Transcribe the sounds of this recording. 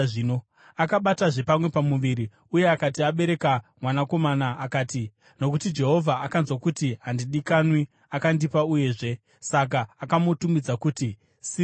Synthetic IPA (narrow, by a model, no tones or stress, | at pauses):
ino | akaɓataʐe̞pamwe̞pamuʋiɾi | uje̞akatiaɓe̞ɾe̞kamwanako̞manaʔːkaːti | no̞kutid͡ʒe̞ɦo̞vʱaːkanzwakutiɦandiɗikanwi | akandipauje̞ːʐe̞ | sak̬aːkamotumid͡zakuti | si